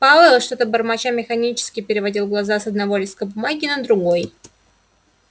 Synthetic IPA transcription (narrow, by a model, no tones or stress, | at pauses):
palˠəlˠəʂt̪ot̪əbərmɐt͡ɕamʲɪxɐnʲit͡ɕɪ̥skʲɪpʲɪɾʲɪvɐdʲilˠɡlˠɐzasɐd̪̚nɐvo̞lʲɪskəbʊmaɡʲɪnəd̪ɾʊɡo̞j